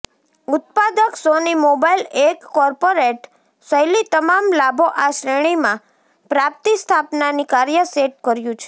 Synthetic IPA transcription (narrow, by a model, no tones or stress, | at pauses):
ʊt̪̚pad̪əksonimobailekːɔɾpoɾeʈ | səjlit̪əmamlabʱoʔaʃɾeɽ̃imã | pɾap̚t̪ist̪ʰapnanikaɾjəseʈ̚kəɾjũt͡ʃʰe